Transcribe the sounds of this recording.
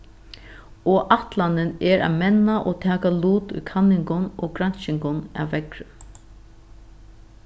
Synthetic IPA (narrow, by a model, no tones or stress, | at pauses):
oːʔaht̪lanɪnɛɹa̰mɛnːaʔoːt̪ʰaːkaluːt̪ʊ̰jkʰanːɪŋkʊnoːkɾanʃɪŋɡʊna̰ːʋːɛkɾə